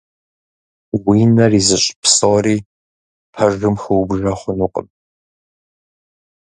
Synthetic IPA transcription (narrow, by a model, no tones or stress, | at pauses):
wiːnɐriːzɨɕʼpsɐwɾiː | pʰɐrɨmxɨwbʐɐχʷʊnuqʼə̰m